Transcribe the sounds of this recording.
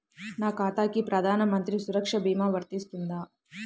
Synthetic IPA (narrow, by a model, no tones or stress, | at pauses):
naːkaːt̪aːkipɾɐd̪ʱaːnɐmɐnt̪ɾisuɾɐkʂɐbiːmaːʋɐɾt̪ist̪und̪aː